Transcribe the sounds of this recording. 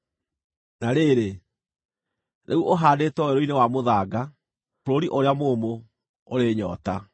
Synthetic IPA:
naɾeɾe | nʔḛuʔoɦaːdeːtɔwɛɾoinewamoðaːɡa | ɾoɾiʔoɾeamoːmo | oɾeɲɔːta

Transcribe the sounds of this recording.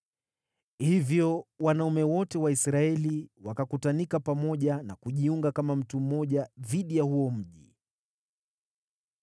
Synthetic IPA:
hivjɔwanaumɛwɔtɛwaisɾaɛliwakakutanikapamɔʄanakuʄiuŋɡakamam̩tum̩mɔʄaðiɗijahuɔm̩ʄi

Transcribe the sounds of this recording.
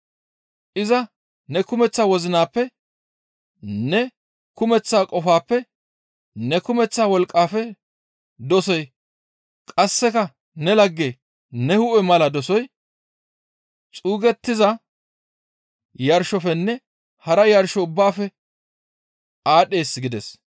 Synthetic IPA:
ʔɪzɐ | nɛkʊmɛt͡sːaːwɔzɪnaːpːɛ | nɛ | kʊmɛt͡sːaːkʼɔfaːpːɛ | nɛkʊmɛt͡sːaːwɔlkʼːaːfɛ | d̪ɔsɔj | kʼɐsːɛkɐ | nɛlɐɡːeː | nɛhʊʔɛmɐlɐd̪ɔsɔj | t͡sʼuːɡɛt̪ːɪzɐ | jɐɾʃɔfɛnːɛ | hɐɾɐjɐɾʃɔʊbːaːfɛ | aːɗe̞ːsːɡɪd̪ɛs

